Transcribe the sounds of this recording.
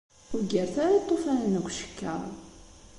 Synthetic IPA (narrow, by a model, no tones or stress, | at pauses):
ʊɡəɾθaɾit̪ˤːofænnəɡʷʃə̥kːæ̰